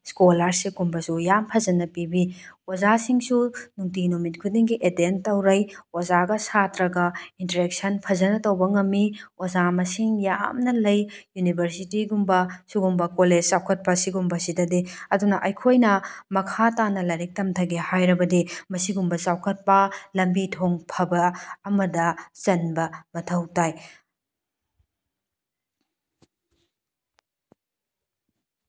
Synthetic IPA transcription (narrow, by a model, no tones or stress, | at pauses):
skolaɾseɡumbɐsujampʰɐzɐnɐpibiozasiŋsunuŋt̬inomit̚kʰudiŋɡiʔedentːɐwɾɐjozaɡɐsatɾɐɡɐintɐɾek̚sɐnpʰɐzɐnɐtɐwbɐŋɐmːiozamɐsiŋjamnɐlɐjjunibʱɐɾsitiɡumbɐsuɡumbɐkoled͡ʒsawkʰɐt̚pɐsiɡumbɐsidɐdiɐdunɐʔɐjkʰojnɐmɐkʰatanɐlɐɾek̚tɐmtʰɐɡehajɾɐbɐdimɐsiɡumbɐsawkʰɐt̚pɐlɐmbitʰoŋpʰɐbɐːmɐdɐt͡ʃɐnbɐmɐtʰɐwtaj